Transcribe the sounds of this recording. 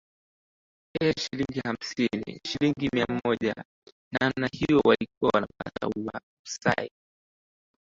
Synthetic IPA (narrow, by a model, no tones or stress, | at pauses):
ɛʃiliŋɡiham̩sinḭʃiliŋɡimiam̩mɔʄa̰ | namnahijɔwalik̚uawanapa̰ta̰ua̰ | sa̰i